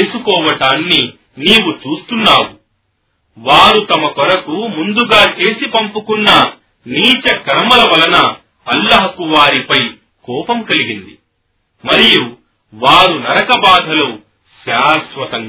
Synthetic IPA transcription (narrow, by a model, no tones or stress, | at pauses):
eːsukɔːʋɐʈaːnːi | niːwut͡ʃuːst̪unːaːwu | ʋaːɾut̪ɐmɐkɔɾɐkumund̪uɡaːt͡ʃe̞ːsipɐmpukunːɐ | niːt͡ʃɐkɐɾɐmɐlɐʋɐlɐnɐ | ɐlːɐɦɐkuʋaːɾipɐj | kɔːpɐmkɐliɡind̪i | mɐɾiju | ʋaːɾunɐɾɐkɐbaːd̪ʱɐloː | ʃaːsʋɐt̪ɐŋ